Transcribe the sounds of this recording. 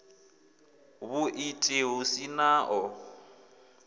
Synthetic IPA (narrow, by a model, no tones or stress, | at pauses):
βʊʔitʼeɦʊsinaːʔɔ